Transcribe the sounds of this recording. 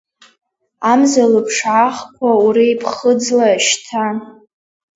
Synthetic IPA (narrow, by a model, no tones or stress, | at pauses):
amzalɨpʰʂʕaχkʷʰauɾijpʰχəd͡zlaʃtʰa